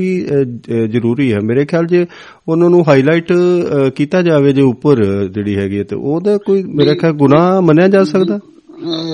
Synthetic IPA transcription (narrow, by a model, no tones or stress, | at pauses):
iː | zəɾuːɾiːɛːmeːɾeːkʰɪjaːld͡ʒeː | ʊnãːnũːɦaːiːlaːɪʈkiːt̪aːd͡ʒaːʋeːd͡ʒeːʊpːəɾd͡ʒeːɽiːɦɛːɡiːɛːt̪ḛːʔoːd̪aːkoːiːmeːɾeːkʰjaːlɡʊnaːmənjaːd͡ʒaːsəkd̪aː